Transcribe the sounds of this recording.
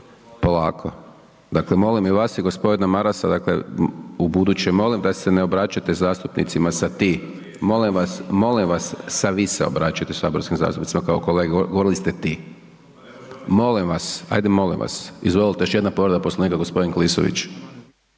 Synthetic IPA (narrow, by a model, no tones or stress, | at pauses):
pola̰ːkʰo | d̪aklemo̞limiʋasiɡospo̞d̪inamaɾasad̪aklḛubud̪ut͡ɕemo̞limd̪aseneobɾat͡ʃat̪ezaːst̪upnḭt̪simasat̪i | mo̞limʋasmo̞limʋasːaʋiseo̞̰bɾat͡ʃat̪esa̰ːboɾskimza̰st̪upnit̪simakaoko̞leɡeɡoo̞ɾilist̪et̪i | mo̞limʋasa̰jd̪emo̞lḭmʋa̰sizʋo̞lilˠt̪ejoʃje̞d̪napo̞ʋɾod̪aposlaniːkaɡo̞spo̞d̪inkliso̰ʋḭt͡ʃ